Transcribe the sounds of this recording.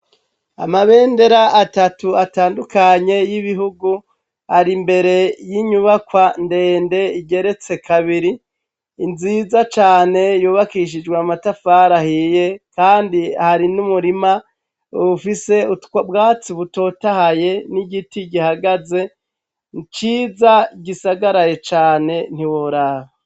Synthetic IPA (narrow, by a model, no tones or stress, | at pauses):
a̰maβe̞ːnde̞ɾaʔːtatuataːndukaɲe̞jiβiɦuɡu | haɾimbe̞ɾe̞jiɲuβakwande̞ːnde̞iɟe̞ɾe̞t͡se̞kʰaβiɾiː | nzizat͡ʃaːne̞juːβakiʃ̬id͡ʒɡweamatafaːɾahije̞kaːndiahaɾinumuɾima | βufise̞utabɡaːt͡siβuto̞tahaje̞niɡitiɟihaɡaze̞ | nt͡ʃiːzaiɡisaɡaɾajet͡ʃaːne̞n̥iwoɾaho